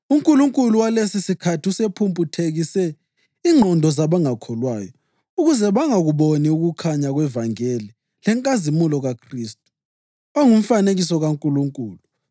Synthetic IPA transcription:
uŋkʼuluŋkʼuluwalesisikʰatʰiusepʰumpʼutʰeɣisɛ | iŋ͡ǃʱɔndʱɔzaβaŋakʰɔlwaːjɔ | uɣuzɛβaŋaɣuβoniuɣukʰaɲaɣwɛvaŋeli | lɛŋkʼazimulɔɣakʰriːstʼu̥ | aŋum̩faneɣis̬ɔɣaŋkʼuluŋkʼuːlu

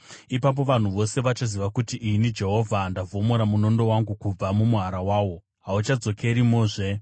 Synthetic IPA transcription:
ipap̬o̞ʋan̤uʋo̞se̞ʋat͡ʃaziʋakutiʔinid͡ʒe̞ɦo̞vʱandavʱo̞moɾamuno̞ndo̞waŋɡukub͡vamumuɦaɾawaːwo̞ | ɦaut͡ʃad͡zo̞ke̞ɾimoːʐe̞

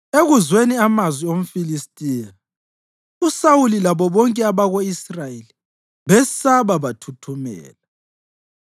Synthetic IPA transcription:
eɣuzweniamazwiom̩filistʼiːna | usawulilaβɔβɔŋkʼɛaβaɣoisrajeli | βɛsaβaβatʰutʰumɛ̰ːla

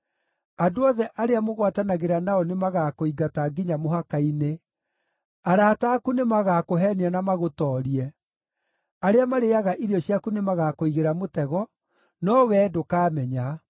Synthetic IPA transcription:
adoɔðɛʔaɾeamoɣwatanaɣeɾanaɔnemaɣakoiɡataɡiɲamoɦakaine | aɾaːtaːkunemaɣakoɦɛneanamaɣotɔːɾiɛ | aɾeamaɾeaɣaʔiɾiɔɕjakunemaɣakoiɣeɾamotɛɣɔ | nɔwɛːdokaːmɛɲa

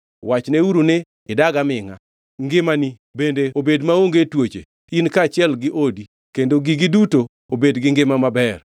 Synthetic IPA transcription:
wat͡ʃneuɾune | ɪdaɡamɪŋa̰ | ŋɡɪmani | bendeobedmaoŋɡetwot͡ʃḛ | inkat͡ʃɪɛlɡɪʔodi | kendoɡiɡiduto | obedɡɪŋɡɪmamabɛr

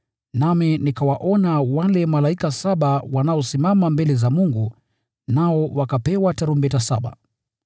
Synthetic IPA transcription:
naminikawaʔɔnawalɛmalaikasaɓawanaɔsimamambɛlɛzamuŋɡu | naɔwakapɛwataɾumbɛtasaɓa̰

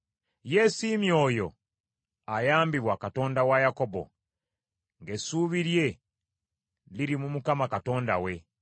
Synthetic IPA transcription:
jesimjo̞ːjo̞̰ | ajaːmbiβwakato̞ːndawajako̞bo̞̰ | ŋɡe̞suːβiɾje̞ | liɾimumukamakato̞ːndawe̞

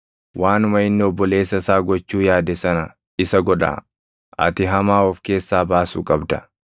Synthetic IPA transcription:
wʔaːnʊmɐɪnːɪɔbːɔle̞ːsːɐsaːɡɔt͡ʃːuːjaːd̪ɛsɐnɐ | ɪsɐɡɔᶑa̰ː | ʔɐ̰t̪ɪɦɐmaːɔfke̞ːsːaːbaːsṵːkʼɐbd̪ɐ

